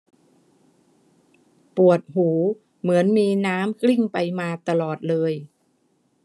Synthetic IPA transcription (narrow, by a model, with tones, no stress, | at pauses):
pu˨˩ət̪̚huː˩˦ | mɯ˩˦ənmiː˧naː˦˥mkli˥˩ŋpa˧jmaː˧t̪a˧lɔː˨˩t̪̚lɤː˧j